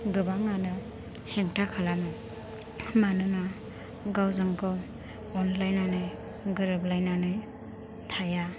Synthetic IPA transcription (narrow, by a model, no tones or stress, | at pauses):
ɡɯbaŋanɯ | heŋtʰakʰalanɔ | manɯna | ɡawzɯŋkʰɔ | ɔnlajnanɯj | ɡɯɾɯb̚lajnanɯj | tʰaja